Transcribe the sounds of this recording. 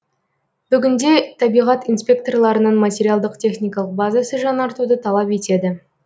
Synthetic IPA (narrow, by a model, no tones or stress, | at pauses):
b̥ʏɡʲɪnd̪e̞t̪ʰɑbijʁɑt̪inspʲe̞k̚t̪o̞rlˠɑɾənɑnmat̪ʲe̞ɾʲijalˠd̪əqt̪ʲʰe̞χnijkɑlˠəq̚bɑzasəʒɑnɑɾt̪ud̪ət̪ʰɑlˠɑpe̞t̪e̞d̪ɪ